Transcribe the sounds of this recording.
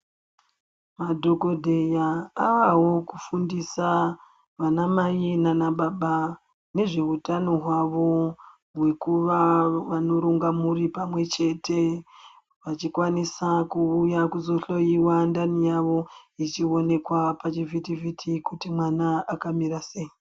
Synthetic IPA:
madʱo̞ko̞dʱe̞jaːʋawo̞kufundisa | ʋanamajinanaɓaɓa | ne̞ʐe̞ɦutano̞ɦwaʋo̞ | ɦwe̞kuʋaʋano̞ɾuŋɡamuripamwe̞t͡ʃe̞te̞ | ʋat͡ʃikwanisakuːjakuzo̞ɬo̞jiwandanijaʋo̞it͡ʃio̞ne̞kwapat͡ʃivitivitʰikutimwanaakamiɾase̞ji

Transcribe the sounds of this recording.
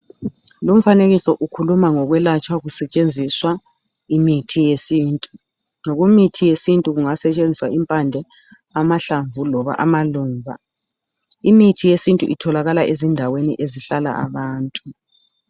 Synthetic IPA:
lom̩faneɣisɔʔukʰulumaŋɔɣwɛlat͡ʃʼwaɣusɛt͡ʃʼend͡zʱiswa | imitʰijesiːntʼunoɣumitʰijesintʼuɣuŋasɛt͡ʃʼend͡zʱiswaʔimpʼand͡ɮʱɛamaɬaɱvulɔβa̰ʔamaluːŋvʱa̰ | imitʰijesintʼṵʔitʰɔlaɣalaʔezindʱawenḭʔeziɬala̰a̰βaːntʼu

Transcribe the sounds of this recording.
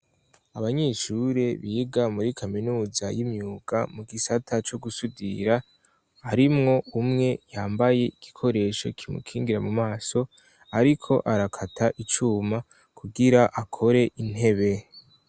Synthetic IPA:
aβaɲe̞ːʃuɾe̞βiɡamuɾikʰaminuːzajimɲuːɡ̥amuɡisatʰat͡ʃo̞ɡusudḭɾa | aɾimŋo̞umŋe̞jaːmbaje̞iɡ̥ikʰo̞ɾe̞ʃo̞̰kʰimṵkʰiːŋɡiɾamumaːso̞ | aɾikʰo̞ʔaɾakʰatʰaʔit͡ʃuːma | kʰuɡiɾaʔakʰo̞ɾe̞ʔin̥he̞βe̞

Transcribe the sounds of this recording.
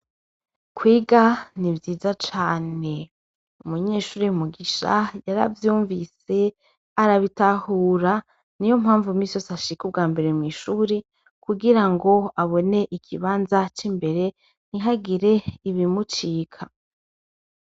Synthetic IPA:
kwiːɡanivjiːzat͡ʃaːne̞ | umuɲe̞ːʃuːɾejumuɡiʃa̰jaɾa̰vjuːɱvise̞ | aɾaβitahuːɾa | nijo̞mhaːɱvumiːsjosaʃikub̚ɡaːmbe̞ɾe̞mŋiːʃuːɾe | kuɡiɾaŋɡo̞aβo̞ne̞ʔikʰiβaːnzat͡ʃimbe̞ɾe̞ | n̥iɦaɡiɾe̞iβimut͡ʃiːkʰa

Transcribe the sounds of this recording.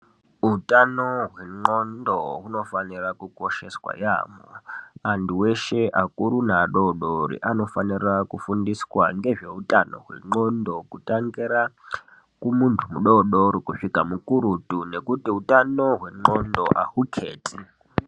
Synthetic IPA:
ɦutʼanoɦweŋ͡ǃondoɦuno̞fanirakukoʃe̞swa̰ja̰mo̰antuweʃe̞ʔakʼuɾunaɗoɗoɾḭʔano̞fanirakufundiswaŋɡe̞ʐe̞utʼano̰ɦwe̞̰ŋ͡ǃondo̞kutʼaŋɡiɾa | kumuntʰumuɗoɗoɾikuʂikamukuɾutune̞kutiutʼano̞ɦwe̞ŋ͡ǃondo̞ʔahukʰeːti

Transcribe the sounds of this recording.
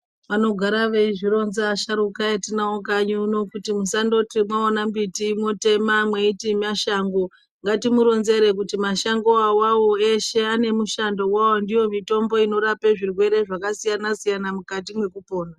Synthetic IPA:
ʋano̞ɡʱaɾaʋeʐiro̞nzaːʃaɾukajatinaokaɲuno̞kutimusando̞timwaonambitimote̞mamwe̞itimaʃaŋɡo̞ | ŋɡatimuɾo̞nze̞ɾe̞k̬utimaʃaŋɡo̞awawo̞e̞ʃe̞ane̞muʃando̞wawondijo̞mito̞mbo̞ino̞ɾapeʐirwe̞ɾe̞ʐakasijanasijanamukatimwe̞kupo̞ːna

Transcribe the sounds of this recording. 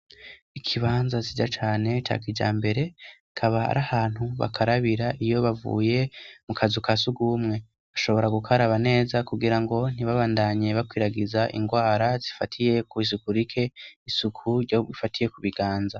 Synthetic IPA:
ikʰiβaːnzazid͡ʒat͡ʃaːne̞t͡ʃa̰kid͡ʒa̰ːmbe̞ɾe̞ | kʰaβaa̰ɾahaːn̥huβa̰kʰaɾaβiɾaʔijo̞βavṵje̞mukʰazukasuɡuːmŋe̞ | aʃo̞βo̞ɾaɡukaɾaβane̞ːzakuɡiɾaŋɡo̞n̥iβaβaːndaɲe̞βakwiːɾaɡizaʔḭŋɡwaːɾazifatʰije̞kuis̬ukuɾikʰe̞isukʰuɾɟoβifatʰije̞kuβiɡaːnza

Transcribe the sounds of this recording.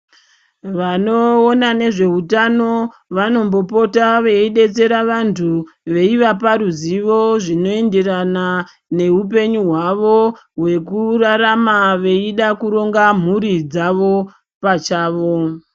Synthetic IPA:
ʋano̞ːnane̞ʐe̞ɦutano̞ | ʋano̞mbo̞po̞taʋe̞iɗe̞t͡se̞ɾaʋantʰuʋe̞iʋapaɾuziʋo̞ʐino̞e̞ndeɾana | ne̞up̬e̞ɲuɦwaʋo̞ | ɦwe̞kuraɾamaʋe̞iɗakuɾo̞ŋɡam̤uɾid͡zaʋo̞ | pat͡ʃaːʋo̞

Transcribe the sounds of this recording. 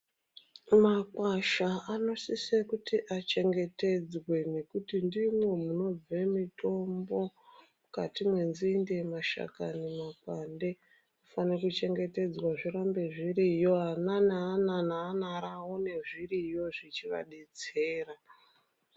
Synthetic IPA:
makwaʃaano̞sisekutiʔat͡ʃe̞ŋɡe̞te̞d͡zwe̞ne̞kutindimwe̞muno̞b͡vemito̞mbo̞ | ukatimwe̞nzinde̞maʃa̰ka̰nemakwande̞ | ufanekut͡ʃe̞ŋɡe̞te̞d͡zwaʐiɾambe̞ʐirijo̞ananaːnanaːnaɾawone̞ʐirijo̞ʐit͡ʃiʋa̰ɗed͡ze̞ːra

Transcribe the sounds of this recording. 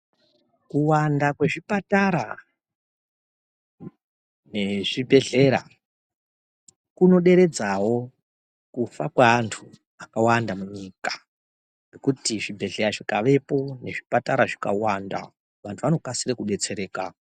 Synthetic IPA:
kuwandakwe̞ʐipataɾa̰ | ne̞ʐibʱe̞ɮe̞ɾa̰ | kuno̞ɗe̞ɾe̞d͡zawo̞ | kufakwaːntʰu | akawandamuɲikḁ | nokutiʐibʱe̞ɮe̞ɾaʐikaʋe̞po̞ne̞ʐipataɾaʐika̰wanda̰ | ʋantʰuʋano̞kasirekuɗe̞t͡se̞ɾe̞ːka

